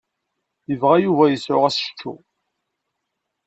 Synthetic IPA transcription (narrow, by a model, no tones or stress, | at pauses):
jəvʁæjuvæjəsʕʊ̰ʁæsʃtʰːṵ